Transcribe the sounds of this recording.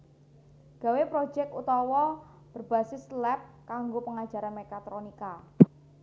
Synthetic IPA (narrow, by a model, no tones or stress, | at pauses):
ɡ̥ä̤wepɾo̥d͡ʒɛkut̪ɔwɔ | b̥ərb̥asɪslɛp̚kaŋɡopəŋḁd͡ʒa̤ɾanmekat̪ɾonika